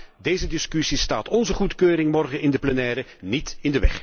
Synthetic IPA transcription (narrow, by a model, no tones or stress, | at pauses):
dejzədɪskysista̰ːtɔnzəχutkøːɾɪŋmɔrχəɪndəplənɛːɾənitɪndəʋɛ̰χ